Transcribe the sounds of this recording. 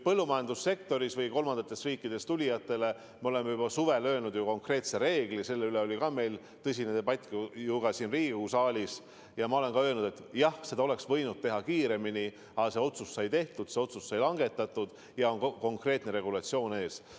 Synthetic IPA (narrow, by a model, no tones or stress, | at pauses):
pɤlːumɑjɑnd̪usːe̞kt̪o̞ɾisvɤjko̞lmɑnd̪̥ɑt̪ːˑe̞sriːkːid̪̥e̞st̪ulʲijɑt̪ːˑe̞le̞ | meo̞le̞mːejubɑsuve̞løːlnud̪̥juko̞ŋkre̞ːt̪seɾe̞ːɡ̥lise̞lːe̞yle̞o̞lʲikɑme̞jl | t̪ɤs̬ʲinet̪ebɑt̪ʲːˑkujuɡ̥ɑsinriːɡusɑːlʲis | jɑmɑo̞le̞nkɑø̞ːlnud̪e̞t̪ːˑjɑhse̞d̪̥ɑoe̞ksvɤjnut̪̚t̪e̞ɦɑkiːɾe̞mini | ɑse̞o̞t̪sussɑjt̪e̞ht̪ud̪̥seo̞t̪sussɑjlɑŋɡe̞t̪ːˑɑt̪ˑːud̪̥ | jɑo̞nko̞ŋkre̞ːt̪ne̞ɾe̞ɡulɑt̪sio̞ːne̞ːs